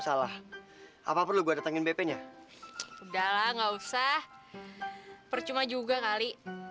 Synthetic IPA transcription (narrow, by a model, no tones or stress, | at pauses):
salah | ʔa̰papʊrluɡuadat̪aŋɪnbepɛɲa | udalaŋɡausah | pərt͡ʃumad͡ʒuɡakali